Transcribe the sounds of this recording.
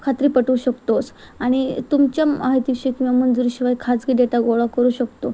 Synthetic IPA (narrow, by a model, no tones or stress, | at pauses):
kʰat̪ɾiːpəʈuːɕəkt̪ot͡s | aɽ̃it̪umt͡ɕjamaɦit̪iʋiɕekĩʋamənd͡zuɾiɕiʋajkʰat͡sɡiːd̪eʈ̪aɡoɭakəɾuːɕəkt̪o